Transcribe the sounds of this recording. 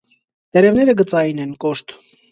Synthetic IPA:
t̪ɛɾɛvnɛɾəɡət͡sɑjinɛnkɔʃt̪

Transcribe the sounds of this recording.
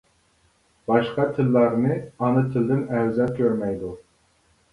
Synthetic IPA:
bɑʃqɑt̪ʰɪlːɑɾnɨɑnɨt̪ʰɪld̪ɪnɛwzɑkʲʰøɾmɛjd̪u

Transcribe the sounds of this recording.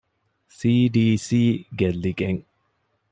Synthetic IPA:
siːɖiːsiːɡelːiɡeŋ

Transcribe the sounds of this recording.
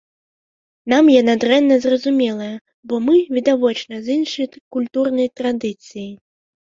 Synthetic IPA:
namjɛnad̪ɾɛnːɐzrɐzumʲɛlˠɐjɐ | bɔmɨvʲid̪avɔt͡ʂnɐzinʂɐjkulʲt̪urnɐjt̪ɾad̪ɨt̪sɨji

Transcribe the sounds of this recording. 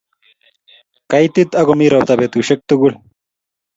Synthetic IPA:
kajt̪it̪ɐɡomiɾɐwt̪ɐbet̪uɕek̚t̪uɡuɭ

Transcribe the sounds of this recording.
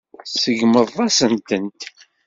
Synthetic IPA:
səʝməðˤɑsənt̪ənt̪

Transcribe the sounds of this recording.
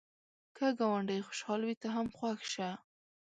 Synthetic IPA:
kəɡawaɳɖəjxʊ̥ʃɑlwit̪aɦamxwaxʃa

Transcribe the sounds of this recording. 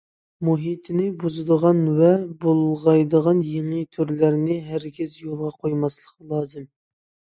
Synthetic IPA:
muɦit̪ʰɪnɪbuzɨd̪əʁɑnvɛbolˠʁɑjd̪əʁɑnjeŋɨt̪ʰyɾlæɾnɪɦæɾɡʲɪzjolˠʁɑqʰojmɑslˠəqlˠɑːzɨm

